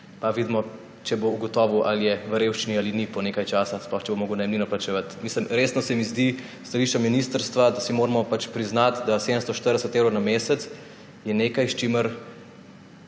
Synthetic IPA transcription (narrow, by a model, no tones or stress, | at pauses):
paʋid̪mɔ | t͡ʃɛbouɡɔt̪ɔːʋuʔaljɛʋəɾeːwʃt͡ʃinialinipɔneːkajt͡ʃaːsasplɔxt͡ʃɛbomoːɡəwnajmlinɔplat͡ʃɛʋat̪misləmɾeːsnɔsɛmizd̪i | st̪aliʃt͡ʃaminiːst̪əɾst̪ʋad̪asimoːɾmɔpat͡ʃpɾiznat̪d̪ased̪əmst̪ɔʃt̪əɾd̪ɛsət̪ewɾɐnameːsɛt̪s | jɛneːkajʃt͡ʃiməɾ